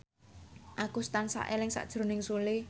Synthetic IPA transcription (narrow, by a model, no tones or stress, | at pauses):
ʔakust̪ansa̰ʔelɪŋsa̰ʔd̥ʒ̥ɾo̤nɪŋsulɪ